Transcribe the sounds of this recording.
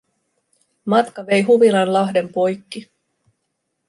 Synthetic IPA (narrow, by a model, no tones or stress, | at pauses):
mɑt̪kɑʋe̞jɦuʋilɑnlɑɦde̞mpo̞jkːi